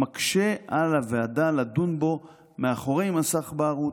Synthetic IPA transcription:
akʃe̞alaveadaladunbo̞ | meaχoʁe̞jmasaχbaaʁu

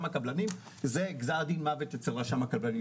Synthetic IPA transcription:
mhakablanim | zeɡzaʁd̪inmavet̪jet͡selʁaʃamakablani

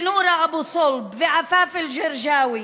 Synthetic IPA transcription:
nuːɾˤɑʔabusˤʊlbfɪʕafaːfɪlʒɪɾʒaːwi

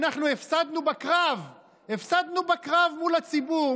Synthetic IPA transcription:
naχnuefsad̪nubakʁav | efsad̪nubakʁavmulat͡sibu

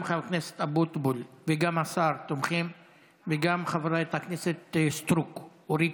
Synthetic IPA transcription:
mχamknese̥t̪abut̪bulveɡamasaɾt̪omχim | veɡamχavɾaet̪akneset̪st̪ɾuk | oɾi

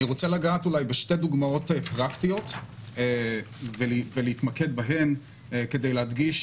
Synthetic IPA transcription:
niʁot͡selaɡaːt̪ulajbeʃte̞d̪uɡmao̞t̪epʁakt̪ijo̞t̪evelveleit̪maked̪̚baɦe̞m | ke̞d̪ejlehad̪ɡiʃ

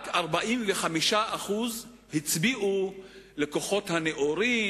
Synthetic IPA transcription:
kaʁbaʔimveχamiʃaʔaχuz | hit͡sbiʔule̞ko̞χo̞thaneʔoɾi

